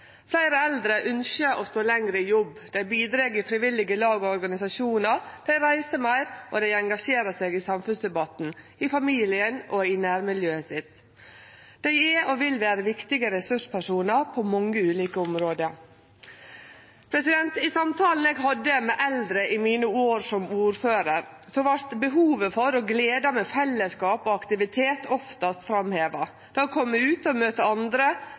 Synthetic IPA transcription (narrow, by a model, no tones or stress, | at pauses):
flæɪɾəɛld̪ɾəʔʉnʃəʔost̪oːlɛŋɾəɪjɔb | d̪̥æɪbiːd̪ɾeːɡɪfɾɪʋɪlɪɡəlɑːɡoɔɾɡɑnɪsɑʃuːnəɾd̪̥æɪɾæɪsəmæɪɾʔod̪æɪɛŋɡɑʂeːɾəseːɡɪsɑmfʉnsd̪ɛbɑt̪n̩ | ɪfɑmiːlɪənʔoɪnæːɾmɪljøːəsɪt̪ | d̪̥æɪɛʔoʋɪlʋæːɾəʋɪkt̪ɪɡəɾɛsʉʂpʰæʂuːnəɾpʰomɔŋːəʉːliːkəʊmɾoːd̪ə | pʰɾɛsɪd̪ɛnt̪ɪsɑmt̪ʰɑːln̩eːɡɦɑd̪ːəmɛʔɛld̪ɾəʔɪmiːnəoːɾsɔmuːɾføːɾəɾ | sɔʋɑɾt̪bəɦuːʋəfɔɾoːɡleːd̪ɑmɛːfɛlːəskɑːpoːɑkt̪ɪʋɪt̪ʰeːt̪ʰɔft̪ɑst̪fɾɑmheːʋɑ | d̪̥ɑkʰɔmːəʉːt̪ɔmøːt̪əɑnd̪ɾə